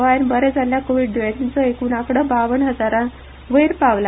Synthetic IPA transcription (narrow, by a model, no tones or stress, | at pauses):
ʋajnbəɾɛd͡zʱalːjakoʋiɖɖuat̪int͡səekuːnakɽəbaʋəɳɦəd͡zaɾã | ʋəjɾpaʋla